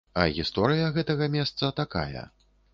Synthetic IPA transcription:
ɐɣʲist̪ɔɾɨjɐɣɛt̪ɐɣɐmʲɛst̪sɐt̪aka̰jɛ̰

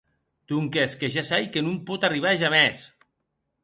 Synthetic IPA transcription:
t̪uŋkeskeʒasajkenumpɔt̪ariβ̞aʒamɛs

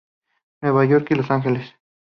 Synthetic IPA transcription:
nweβajoɾkilosaŋxeles

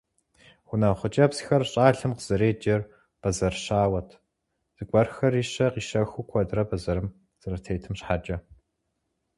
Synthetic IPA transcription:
xʷʊnɐχʷʊt͡ʃʼɐpsxɐrɕʼaːɬɨmqəz̥ɐɾeːd͡ʒɐr | b̥ɐzɐrɕaːwɐtʰ | z̥ɨkʷʼɐrxɐriːɕɐqiːʃɐxʷukʷʰɔdrɐbɐzɐɾɨm | z̥ɐrɐtʰejtʰɨmɕħaːd͡ʒʼɐ

